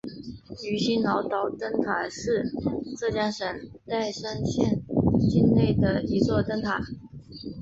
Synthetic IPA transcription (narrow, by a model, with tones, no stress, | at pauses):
y˨˥˩ɕi˥nnɑ˧˥ʊt̪ɑ˧˥ʊt̪ə˥ŋt̪ʰa˨˩ʂɻ̩˥˧ʈ͡ʂɤ˥˩t͡ɕjɑ˥ŋʂə˨˥n | t͡sa˥˩ɪʂa˥nɕjɛ˥˩nt͡ɕi˥nne˥˩ɪd̪ə˩i˧˥t͡swɔ˥˩t̪ə˥ŋt̪ʰa˨˩˦